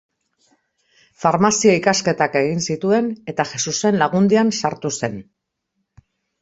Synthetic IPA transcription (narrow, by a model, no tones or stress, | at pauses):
faɾmasiaikaske̞t̪ake̞ɣinsit̪ue̞ne̞t̪aʝe̞suse̞nlaɣund̪iansaɾt̪use̞n